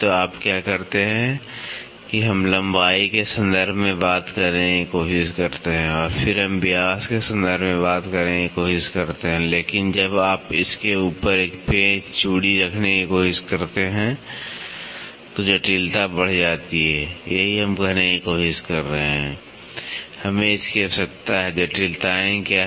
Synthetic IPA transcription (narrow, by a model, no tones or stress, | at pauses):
t̪oaːpkjaːkɐɾt̪eɦɛ̃ | kiɦɐmlɐ̃mbaːikesə̃nd̪əɾbʱmẽbaːt̪kɐɾnekikoːʃɪʃkɐɾt̪eɦɛ̃ɔːɾfʰɪɾɦɐmbɪjaːskesə̃nd̪əɾbmẽbaːt̪kəɾnekikoːʃɪʃkɐɾt̪eɦɛ̃leːkɪnd͡ʒəbaːpɪskeuːpəɾeːkpeːd͡ʒt͡ʃuːɽiɾɐkʰnekikoːʃɪʃkɐɾt̪eɦɛ̃ | t̪od͡ʒɛʈiːlt̪abɐɽ̤d͡ʒaːt̪iɦɛːjɐɦiɦɐmɡənekikoːʃɪʃkɐɾːəɦeɦɛ̃ | hɐmẽɪskiisɐk̚t̪aɦɛd͡ʒɛʈiːlt̪aɛ̃ka